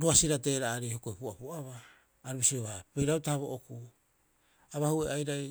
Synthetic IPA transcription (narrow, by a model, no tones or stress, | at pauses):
ɾuasiɾate̞ɾaːɾehokoepuapuaβaː | ɾubisioβapejɾautaaβoʔoku | aβahueajɾaj